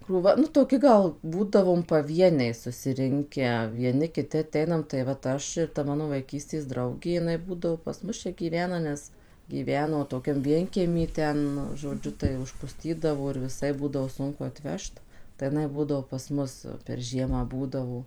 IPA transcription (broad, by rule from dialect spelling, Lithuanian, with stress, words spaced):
kruːˈʋɐ nʊ toːˈkʲɪ ɡɐlˠ ˈbuːdɐʋoːm pɐˈʋʲiɛnʲɛɪ sʊsʲɪˈrʲɪŋʲkʲæː ʋʲiɛˈnʲɪ kʲɪˈtʲɪ ɐˈtʲɛɪnɐm tɐɪ ʋɐt ˈɐʃ ɪr tɐ ˈmɑːnoː ʋɐɪˈkʲiːsʲtʲeːs ˈdrɐʊɡʲeː jɪˈnɐɪ ˈbuːdɐʋoː pɐs ˈmʊs ˈt͡ʃʲɛ ɡʲiːˈʋʲæːnɐ ˈnʲɛs ɡʲiːˈʋʲæːnoː toːˈkʲɛm ˈʋʲiɛŋʲkʲiɛmʲiː ˈtʲɛn ʒoːˈd͡ʒʲʊ tɐɪ ʊʃpʊˈsʲtʲiːdɐʋoː ɪr ʋʲɪˈsɐɪp ˈbuːdɐʋoː ˈsʊŋkʊ ɐtʲˈʋʲɛʃt tɐɪ jɪˈnɐɪ ˈbuːdɐʋoː pɐs ˈmʊs pʲɛr ˈʒʲiɛmɑː ˈbuːdɐʋoː